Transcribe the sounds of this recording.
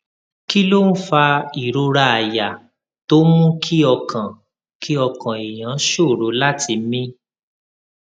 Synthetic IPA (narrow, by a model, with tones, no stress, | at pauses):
ki˦lo˦n̩˦fa˧i˨ɾo˧ɾa˧˨a˨ja˨ | to˦mũ˦kʰi˦ɔ˧kʰã˨ | kʰi˦ɔ˧kã˨i˨j̃ã˨˦ʃo˦˨ɾo˨˦la˦ti˧˦mĩ˦